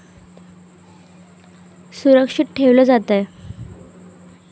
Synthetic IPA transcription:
suɾəkʂiʈʈʰeʋlɔd͡zat̪ɛ

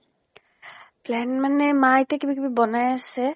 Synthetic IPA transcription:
plɛnmanɛmajtɛkibikibibɔnajasɛ

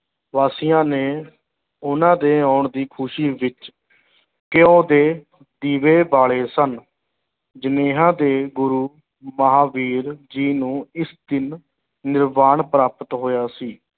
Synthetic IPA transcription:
ʋaːsɪjãːneː | ʊnãːd̪eːaːɳd̪iːkʰʊʃiːʋɪt͡ʃ | kɪõːd̪eː | d̪iːʋeːbaːɭeːsən | d͡ʒəneːɦãːd̪eːɡʊɾuː | məɦaːʋiːɾd͡ʒiːnũːɪsd̪ɪnː | ɪɾmaːɳpɾaːpət̪ɦoːjaːsiː

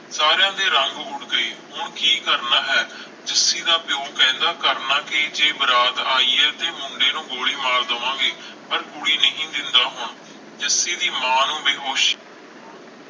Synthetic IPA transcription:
saːɾjãːd̪eːɾəŋɡʊʈɡəeːɦʊɳkiːkəɾnaːɦɛː | d͡ʒɪsiːd̪aːpjoːkɛ̃ːnd̪aːkəɾnaːkɪd͡ʒeːbəɾaːd̪aːiːɛːt̪eːmʊɳɖeːnũːɡoːɭiːmaːɾd̪əʋãːɡeːpəɾɡʊɽiːnəɦĩːd̪ɪnd̪aːɦʊɳ | d͡ʒɪsiːd̪iːmãːnũːbeːɦoːʃ

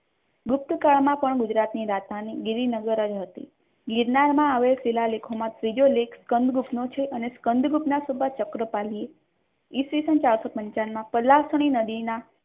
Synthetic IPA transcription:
ɡʊp̚t̪kaɭmãpəɳɡud͡ʒɾat̪niɾat̪aniɡiɾinəɡəɾəd͡ʒɦət̪ḭ | ɡiɾnaɾmãaʋelsilalekʰomãt̪ɾid͡ʒolekʰskənd̪ʱɡupnot͡ʃʰeʔəneskənd̪ʱɡupnasobʱat͡ʃəkɾəpalie | isʋisənt͡ʃaɭsopəɲt͡ʃanmãpəlːasəɽ̃inəd̪ina

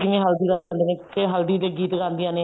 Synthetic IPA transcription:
d͡ʒɪmẽːɦəld̪iːd̪and̪eːnẽːkeɦəld̪iːd̪eːɡiːt̪ɡãːnd̪iãːneː

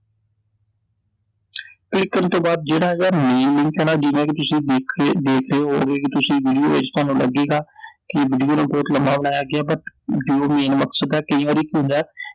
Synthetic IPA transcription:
klɪkːənt̪õːbaːd̪̚d͡ʒeːɽaːɦd͡ʒaːmẽːlɪ̃ŋkɛːnaːd͡ʒɪʋẽːkit̪ʊsĩːkʰd̪eːkʰɾeːɦoːɡeːkit̪ʊsĩːʋiːɖijoːeːd͡ʒt̪aːnũːlə̰ɡeːɡaːkɪʋiːɖijoːnẽːbɔːt̪ləmaːbəɽaːjaːɡɪaːbət̪ɖiːjoːmẽːnməksəd̪ɛːkəĩːʋaːɾiːkiɦʊ̃nd̪ɛː

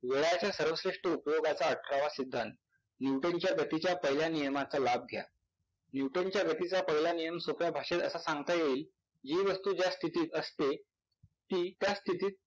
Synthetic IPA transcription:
ʋeɭjat͡ɕjasəɾʋəsɾeʂʈəupjoɡat͡saəʈʰɾaʋasid̪ʱːant̪̚ | njuwʈənt͡ɕjaɡət̪it͡ɕjapəɦiljanijəmat͡səlab̚ɡʱja̰ | njuwʈənt͡ɕjaɡət̪it͡sapəɦljanijəmsopjabʱaɕet̪əsasãŋɡt̪ajeiːl | d͡ʑiːʋəst̪uːd͡ʑjast̪ʰit̪iːt̪əst̪e | t̪iːt̪jast̪ʰit̪iːt̪̚

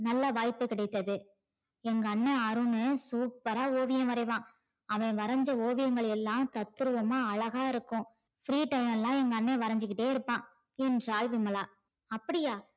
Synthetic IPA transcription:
nɐlːɐʋaːjpːɯkɪɽɐɪt̪ːɐðɯ | ɛŋɡɐːnːɛɐɾɯnɯsuːpːɐɾaːoːʋɪjɐ̃ʋɐɾɐɪʋãː | ɐʋɐ̃ɪ̃ʋɐɾɐɲd͡ʒɐoːʋɪjɐŋɡɐɭɛlːãːt̪ɐt̪ːɯɾɯʋɐmaːɐɭɐɣaːɪɾɯkːʊ̃ | fɾiːʈɐɪmɛlãːɛŋɡɐːnːeʋɐɾɐɲd͡ʒɪkːɪʈːeːɪɾɯpːãː | ɛnɾaːlʋɪmɐlaː | ɐpːɐɽɪjaː

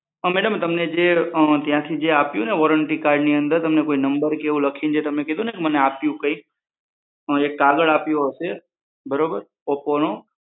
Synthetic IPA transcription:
əmɛɽəmt̪əmned͡ʒet̪jãt̪ʰid͡ʒeapjũneʋɔɾəɳʈikaːɾɖniənd̪əɾt̪əmnekoːinəmbəɾkeũləkʰind͡ʒet̪əmneked̪ʱũnekeməneapjũkə̃i | ekːaɡəɭaːpjõɦəse | bəɾobəɾ | opono

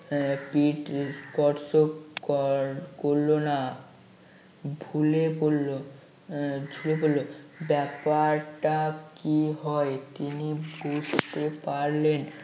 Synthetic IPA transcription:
piʈkɔɾsokɾkoɾlona | bʱulepolːo | d͡ʒʱulepollobɛpaɾʈakiɦɔet̪iniɡust̪opaɾlen

